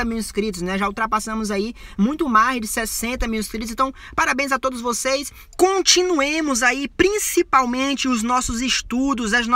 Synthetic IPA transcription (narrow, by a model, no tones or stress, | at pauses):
ɐmiwɪskɾit̪ʊsnɛʒauwt̪ɾapasɐ̃mʊzaimũj̃t̪ʊmazd͡ʒɪsɛsẽnt̪ɐmiɪskɾit̪ʊsẽt̪ɐ̃w̃paɾabẽj̃zat̪od̪ʊzvosejs | kõt͡ʃĩnuẽmʊzaipɾĩsipawmẽt͡ʃɪʊznɔsʊzɪʃt̪ud̪ʊzɐzn